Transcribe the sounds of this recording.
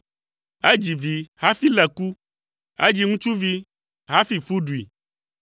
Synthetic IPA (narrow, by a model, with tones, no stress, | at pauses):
e˦d͡ʒi˨vi˨ha˦fi˦lɛ˨ku˦ | ḛ˦d͡ʒi˦ŋũ˦t͡ʃu˦vi˦ | ɦa˦fi˨fu˦ɖu˨ḭ˨